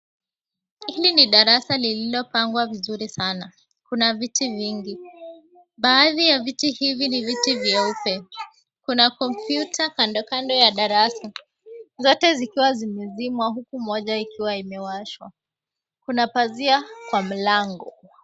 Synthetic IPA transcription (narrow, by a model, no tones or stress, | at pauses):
iliniɗaɾasalililɔpaŋɡwavizuɾisana | kunavitiviŋɡi | ɓaːðijavitihivinivitivjɛupɛ | kunakɔm̩pjutakandɔkandɔjaɗaɾasa | zɔtɛzikiwazimɛzimwahukumɔʄaikiwaimɛwaʃwa | kunapaziakwam̩laŋɡɔ